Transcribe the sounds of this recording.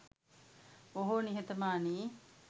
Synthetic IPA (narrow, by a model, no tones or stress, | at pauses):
oɦoːniɦet̪ɐmaːniː